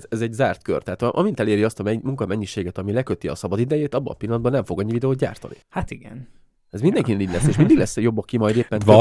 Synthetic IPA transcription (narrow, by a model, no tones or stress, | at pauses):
ɛzɛɟzaːrt̪kø̰rt̪ɛɦaːt̪ɒʔɒmint̪ɛleːɾiɒst̪ɒmɛmuŋkɒmɛɲːiʃeːɡɛt̪ɒmilɛkøt̪iɒ̰sɒbɒd̪id̪ɛjeːt̪ɒbːɒ̰pilːɒnd̪bɒnɛɱfo̞ɡɒɲːivid̪ɛoːt̪ɟa̰ːrt̪ɒ̰nḭhat̪iɡɛ̰n | ɛzmind̪ɛŋkinniɟʲlɛsːeʃmind̪iɡlɛsːjo̞bːɒkimɒjd̪eːpːɛnv